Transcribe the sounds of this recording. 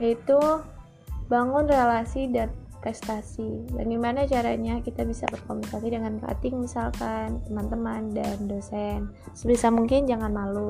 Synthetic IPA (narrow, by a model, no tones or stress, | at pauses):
jait̪u | baŋʊnrelasidan | kast̪asiba̰ɡajmanat͡ʃaɾaɲakit̪abisa̰bərkomunikasidəŋanka̰t̪ɪŋmisalkant̪əmant̪əmandandosɛn | səbisamuŋkɪnd͡ʒaŋanmalu